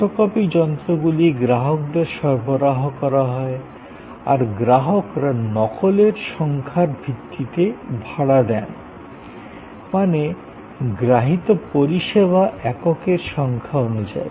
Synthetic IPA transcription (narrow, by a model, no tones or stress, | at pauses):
okɔpid͡ʑɔnt̪ɾoɡuliɡɾaɦok̚d̪eɾʃɔɾboɾaɦokɔɾaɦɔe | a̰ɾɡɾaɦokɾanɔkoleɾʃɔŋkʰaɾbʱit̪ːit̪ebʱaɽad̪ɛn | mane | ɡɾaɦit̪opoɾiʃeβaʔɛkokeɾʃɔŋkʰaonud͡ʑa̰e